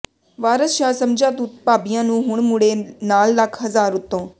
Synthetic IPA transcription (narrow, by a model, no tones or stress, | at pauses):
ʋaːɾəsʃaːsɐmd͡ʒʱaːt̪ut̪̚paːbijãːnũːɦʊɳmuɽenaːlːaːkʰɦɐzaːɾʊt̪ːõː